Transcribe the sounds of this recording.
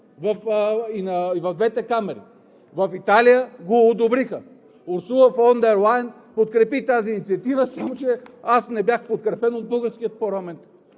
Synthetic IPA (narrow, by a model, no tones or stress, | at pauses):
vɐfinɐivɐvd̪vɛt̪ɛkamɛɾḭ | vɐfit̪alijəɡoːd̪obɾixə | ʊɾsuəfond̪ɛɾlˠajn | pot̪kɾɛpit̪aziːnit̪siət̪ivəsamot͡ʃɛasnɛbʲjaxpot̪̚kɾɛpɛnod̪̚bɤɡəɾsk̟ijət̪̚poɾlˠamɛnt̪